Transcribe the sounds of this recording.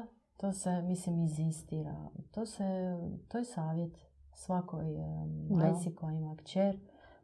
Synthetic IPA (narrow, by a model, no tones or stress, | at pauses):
t̪oːsemislimizist̪iɾa̰t̪oːset̪ojesaːʋjet̪ | sʋakojd̪esikojimakt͡ʃeɾ